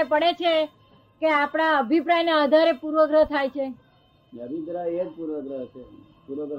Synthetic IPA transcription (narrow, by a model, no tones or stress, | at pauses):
epəɽet͡ʃʰe | keapɽ̃aəbʱipɾajnaəd̪ʱaɾepuɾʋəɡɾət̪ʰajt͡ʃʰe | nəʋid̪ɾaed͡ʒpuɾʋəɡɾəɦt͡ʃʰe | puɾʋəɡɾ